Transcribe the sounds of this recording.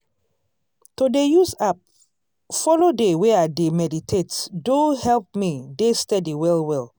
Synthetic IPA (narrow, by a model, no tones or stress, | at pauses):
todejuzap̚ | fɔlodeweademɛditʰetdõhɛlp̚midestɛdiwɛlwɛl